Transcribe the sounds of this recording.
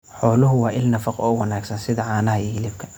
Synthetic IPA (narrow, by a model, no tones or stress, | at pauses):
ħɔːlʊɦʊwɑːʔɪlnɐfɐqɔ̰ːʊwɑnaːɡsɐnsɪðɐʕɑːnɐɦɐiːhɪlɪbkʰɐ̥